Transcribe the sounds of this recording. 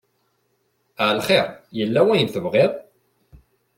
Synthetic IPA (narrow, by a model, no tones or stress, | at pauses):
ʕlχeʁjəlːæwæjənθəvʁeðˤ